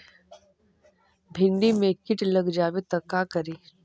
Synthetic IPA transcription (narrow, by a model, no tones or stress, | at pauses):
bʱɪɳɖimẽkɪʈləɡd͡ʒaːʋet̪ɐkakəɾiː